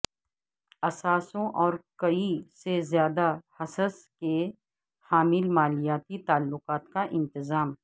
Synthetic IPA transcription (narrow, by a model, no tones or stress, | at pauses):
ɐsaːsõʔɔːɾkɐisezjaːd̪ahɐsəske | haːmɪlmaːlijaːt̪it̪aːlːʊqaːt̪kaʔɪ̃nt̪ɪzaːm